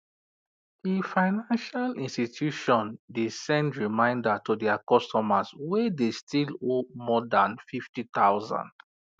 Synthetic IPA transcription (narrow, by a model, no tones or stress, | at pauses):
d̥ifaɪnãnʃalĩnstitʰjuʃɔ̃ndisɛ̃ndɹimãɪ̃ndatudɛakɔstɔmaswɛdestilomɔdãnfiftit̪aʊzã̰nd̥